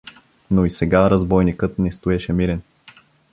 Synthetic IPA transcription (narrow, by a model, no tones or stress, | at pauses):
noisɛɡaɾɐzbɔjnikɤt̪nɛst̪ʊɛʃɛmiɾɛn